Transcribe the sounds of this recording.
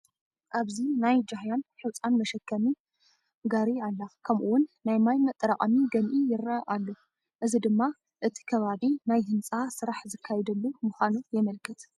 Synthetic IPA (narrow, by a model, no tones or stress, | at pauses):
ʔaβzinajd͡ʒaɦjanħɨwt͡sʼanmɐʃɐkʰːɐmi | ɡaɾialːakʰɐmʔuwʊnːajmajmɐt̪ʼːɐɾakʼɐmiɡɐnʔijɪɾːaʔalːo | ʔɨzid̪ɨmːa | ʔɨt̪ʰi̥kʰɐβaβinajɦɨnt͡sʼasɨɾaħzɨkʰːajɛd̪ɐlːumɨxʷanujɛmɐlkʰɨt̪